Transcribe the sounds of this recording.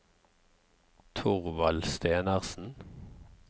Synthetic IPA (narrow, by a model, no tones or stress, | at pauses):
t̪ʰʊʁʋɑlst̪eːnəʁsn̩